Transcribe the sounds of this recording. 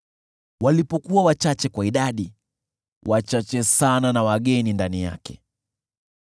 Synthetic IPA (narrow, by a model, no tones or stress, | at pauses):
walipɔkuawat͡ʃat͡ʃɛkwaiɗaɗi | wat͡ʃat͡ʃɛsananawaɠɛnindanija̰kɛ